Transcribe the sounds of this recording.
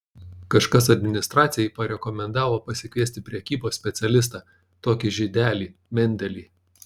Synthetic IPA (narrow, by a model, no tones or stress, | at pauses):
kɐʃkɐsɐd̪ʲmʲɪnʲɪst̪ɾɑːt̪sʲɪjɛɪpɐɾʲɛkɔmʲɛnd̪ɑːʋoːpɐsʲɪkʋʲiɛst̪ʲɪpʲɾʲɛkʲiːboːsʲpʲɛt̪sʲɛlʲɪs̬t̪ɑ | t̪oːkʲɪʒʲɪd̪ʲæːlʲiːmʲɛnʲd̪ʲɛlʲiː